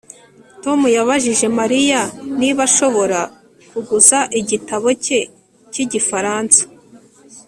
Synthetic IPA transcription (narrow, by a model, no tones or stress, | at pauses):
to̞mujaβaʒiʒe̞maɾijaniβaʃo̞βo̞ɾa | kuɡuzaʔiɟitaβo̞ce̞ | ciɟifaɾaːnsḁ